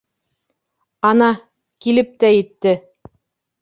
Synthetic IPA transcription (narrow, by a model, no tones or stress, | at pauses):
ɑnɑ | kilɘp̚t̪æjɘ̆t̪ːɘ